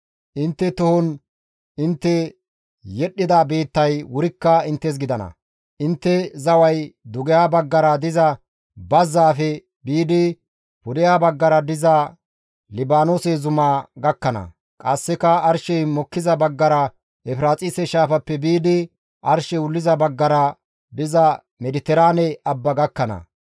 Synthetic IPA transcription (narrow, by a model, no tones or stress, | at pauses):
ʔɪnt̪ːɛt̪ʊhɔn | ɪnt̪ːɛ | jɛɗːɪd̪abe̞ːt̪ːɐjwʊɾɪkːɐɪnt̪ːɛs̬ɡɪd̪ɐnɐ̰ | ʔɪnt̪ːɛzɐwɐjd̪ʊɡɪjaːbɐɡːɐɾɐd̪ɪzɐ | bɐzːaːfɛ | biːd̪ɪ | pʊd̪ɪjaːbɐɡːɐɾɐd̪ɪzɐ | lɪbaːnoːsezʊmaːɡɐkːɐnɐ̰ | kʼɐsːɪkɐɐɾʃɛjmɔkːɪzɐbɐɡːɐɾɐ | ʔɛfɪɾaːt͡sʼɪsɛʃaːfɐpːɛbiːd̪ɪ | ʔɐɾʃɛʊlːɪzɐbɐɡːɐɾɐ | d̪ɪzɐ | mɛd̪ɪt̪ɛɾaːnɛɐbːɐɡɐkːɐnɐ̰